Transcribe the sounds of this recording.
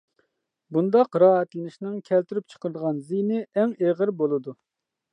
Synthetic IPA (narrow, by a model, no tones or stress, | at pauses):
bund̪ɑqɾɑːɦɛt̪lɪnɪʃnɪŋkʲʰɛlt̪yɾyp̚t͡ʃʰə̥qəɾd̪əʁɑnzinɪʔɛŋeʁəɾbolˠɨd̪u